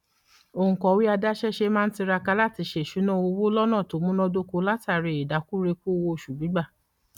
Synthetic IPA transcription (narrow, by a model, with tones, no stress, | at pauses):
o˧˨ũ˨kɔ˨wi˦a˧da˦ʃɛ˦ʃe˧mãː˦n̩˦ti˧ɾa˧ka˧la˦˨ti˧ʃe˦˨ʃu˨˦nɔ̃˦o˧wo˦lɔ˦nã˦˨to˨˦mũ˦nɔ̃˦˧do˦ko˧la˦ta˦˨ɾe˧˨i˨da˨˦ku˦ɾe˧ku˦˧wo˧˨ʃu˨bi˨˦ɡ͡ba˦˨